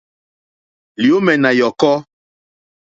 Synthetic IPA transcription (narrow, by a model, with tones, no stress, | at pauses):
li˨o˦mɛ˨na˨jɔ˨kɔ˦